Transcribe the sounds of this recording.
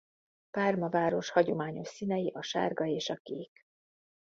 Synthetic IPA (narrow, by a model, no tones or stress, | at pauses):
paːrmɒvaːɾo̞ʃhɒɟo̞maːɲo̞ʃsinɛjiʔɒʃa̰ːrɡɒeːʃɒkeːk